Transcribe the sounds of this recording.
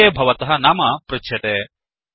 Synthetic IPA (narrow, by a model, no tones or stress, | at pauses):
eːbʱɐʋɐt̪ɐɦɐnaːmɐpɾɐtʃʰjɐt̪e